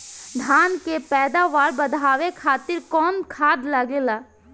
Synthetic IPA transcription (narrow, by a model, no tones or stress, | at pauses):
d̪ʱaːnkepɛːd̪aʋaːɾbəd̪ʱaːʋekʰaːt̪ɪɾkɔːnkʰaːd̪ləɡelaː